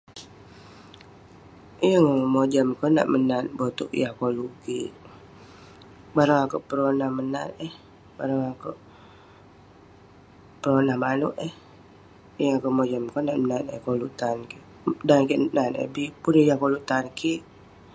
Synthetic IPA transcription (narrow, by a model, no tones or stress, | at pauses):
ijəŋmod͡ʒəmkɔna̰ʔmənanbot̪ṵʔjahkoluʔkiʔ | baɾaŋakoʔpəɾonahmənanəh | baɾəŋakoʔ | pəɾonahmanuʔəh | jəŋakomod͡ʒəmkonaʔmənanə̰hkoluʔt̪ankiʔ | dankiʔnanə̰bipunehjahkoluʔt̪ankiʔ